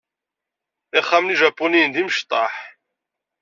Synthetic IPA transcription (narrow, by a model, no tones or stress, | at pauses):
ɪχːæmliʒɑpːunijənd̪imʃt̪ˤɑħ